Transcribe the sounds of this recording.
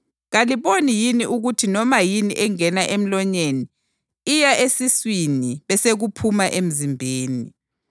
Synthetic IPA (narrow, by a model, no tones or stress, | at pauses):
ɣaliβonijiniʔuɣutʰinɔmajiniʔɛŋɛnaʔem̩lɔɲeni | ijaʔesiswiniβɛseɣupʰumaʔem̩zimbʱeːni